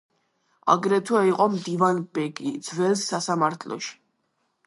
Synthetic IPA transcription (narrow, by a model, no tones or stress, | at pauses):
a̰ɡɾɛt̪ʰwaiqʼɔmd̪ivanbɛɡid̪zvɛlsːasamaɾt̪ʰlɔ̰ʃi̥